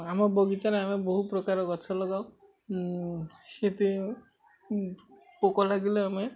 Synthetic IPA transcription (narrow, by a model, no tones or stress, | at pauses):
amaɾbɔɡit͡ʃaɾeameboɦupɾɔkaɾɔkɔt͡ʃʰɔlɔɡaw | ʃet̪i | pokɔlaɡileame